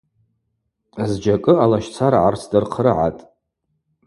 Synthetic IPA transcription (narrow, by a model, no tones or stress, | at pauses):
azd͡ʒakʼɨalaʃt͡sʰaɾaʕart͡sʰdɨrqʰrɨʕa̰tʼ